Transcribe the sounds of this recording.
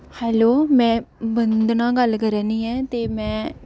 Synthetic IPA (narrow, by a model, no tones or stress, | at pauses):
hɛːloːmɛ̃ːbənd̪nãːɡəlkəɾɛːniːɛːt̪eːmɛ̃ː